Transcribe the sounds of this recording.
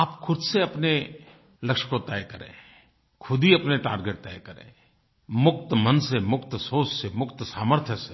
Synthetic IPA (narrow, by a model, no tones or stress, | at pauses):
aːpkʰʊd̪seɐpne | lɐkʃə̥kot̪ɛːjkəɾḛ̃ː | kʰʊd̪ʱiɐpneʈa̰ːɾɡeːʈ̚t̪ɛ̰ːjkɐɾḛ̃ː | mʊk̚t̪əmənsemʊkt̪soːssemʊkt̪saːməɾt̪ʰjəse